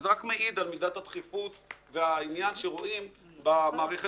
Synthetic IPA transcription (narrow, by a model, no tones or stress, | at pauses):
zʁakmeʔid̪almid̪at̪hat̪χifut̪veainjanʃeʁoʔim | bamaːʁeχe